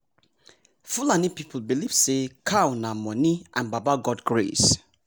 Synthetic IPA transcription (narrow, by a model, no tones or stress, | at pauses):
fulanipipʰl̩biliv̥sekʰawnamɔ̃niʔãnbabaɡɔdɡɹḛs